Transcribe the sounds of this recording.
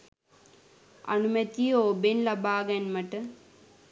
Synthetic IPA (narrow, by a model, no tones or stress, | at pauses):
ɐ̰numɐt̪ioːbenlɐbaːɡɛnmɐʈə